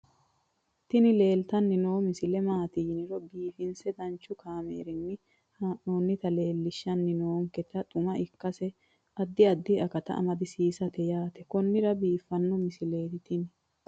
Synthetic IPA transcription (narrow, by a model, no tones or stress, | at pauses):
t̪ɪnɪle̞ːlt̪ɐnːɪnoːmɪsɪlɛmaːt̪inɪɾɔbiːfɪnsɛd̪ɐnt͡ʃːʊkaːmḛːɾɪnːɪ | haːʔnoːnːɪt̪ɐle̞ːlːɪʃːɐnːɪnoːŋkɛt̪ɐt̪ʼʊmɐʔɪkːɐsɛ | ʔɐd̪ːɪɐd̪ːɪɐkɐt̪ɐ̰ʔɐ̰mɐd̪ɪsiːsɐt̪ɛjaːt̪ɛkɔnːɪɾɐbiːfːɐnːɔmɪsɪle̞ːt̪ɪt̪ɪn